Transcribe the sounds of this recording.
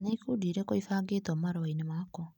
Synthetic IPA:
neikudiɾɛkoifaːɡeːtɔmaɾɔainemakɔ

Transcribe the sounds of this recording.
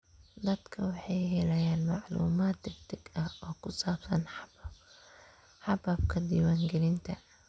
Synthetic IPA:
d̪ɐd̪kʰɐwɑħeːjhɛlɐjaːnmaʕlṵːmaːt̪̚d̪ɪft̪ɪɡʔɐhʔɔːkʊsɑːbsɐnħ | ħɑbab̚kʰɐd̪iːwaːŋɡɛlɪnt̪ʰɐ

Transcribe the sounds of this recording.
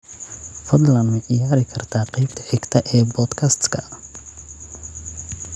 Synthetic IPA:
fɔd̪lɐnmɪʔɪjaːɾɪkʰɐrt̪ʰaːqiːb̚t̪ʰɐʕɛɡt̪ʰɐʔɛːbɔd̪kʰɐst̪kʰɐ

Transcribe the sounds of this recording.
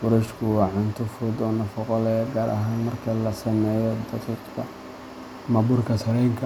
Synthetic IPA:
fʊɾɛʃkʰʊwɑːʕʊnt̪ʰʊfʊd̪ɔnɐfɑqɔlɛɡaːɾʔɐ̰ɦaːnmɐrkʰɐlɐsɐmɛːjɔd̪ɑqiːqkʰɐ | mɐbʊrkʰɐsɐɾɛjŋkʰɐ

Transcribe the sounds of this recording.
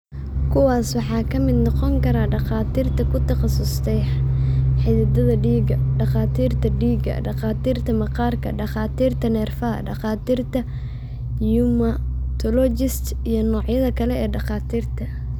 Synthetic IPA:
kʰʊwɑːswɑħɑːkʰɐmɪd̪nɔqɔŋkʰɐɾaːɖɑχaːt̪ʰiːrt̪ʰɐkʰʊtk̪ʰɑχɑsʊst̪ʰɛj | ħɪðɪd̪ɐðɐɖiːɡɐɖɑχaːt̪ʰiːrt̪ʰɐɖiːɡɐ̰ɖɑχɑːt̪ʰiːrt̪ʰɐmɐqɑːrkʰɐ̰ɖɑχɑːt̪ʰiːrt̪ʰɐnɛːrfɐɐ̰ɖɑχɑːt̪iːrt̪ʰɐ | jumɐt̪ʰɔlɔt͡ʃɪst̪ | ijɞnɔːʕjɐðɐkʰɐlɛɛːɖɑχɑːt̪ʰiːrt̪ʰɐ

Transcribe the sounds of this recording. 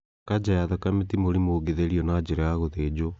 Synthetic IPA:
kad͡ʑajaðɔkametimoɾimoɣeðeɾiɔnad͡ʑeɾɛaɣoðeːd͡ʑo

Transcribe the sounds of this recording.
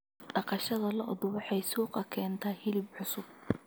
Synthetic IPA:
ɖɑqɑʃɐðɐlɐʔʊðʊɑħɑjsuːqɑkʰɛːnt̪ʰɐhɪlɪbʕʊsʊb̚

